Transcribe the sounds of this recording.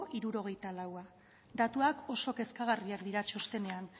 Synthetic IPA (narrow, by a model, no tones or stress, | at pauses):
ʔiɾuɾo̞ɣ̞e̞jt̪alawa | d̪at̪uako̞so̞ke̞skaɣ̞ariakd̪iɾat͡ʃo̞st̪e̞ne̞an